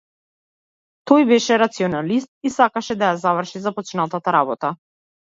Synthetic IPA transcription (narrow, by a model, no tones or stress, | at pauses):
t̪ɔjbɛʃɛɾat̪siɔnalist̪̚isakaʃɛd̪ajazavr̩ʃizapɔt͡ʃnat̪at̪aɾabɔt̪a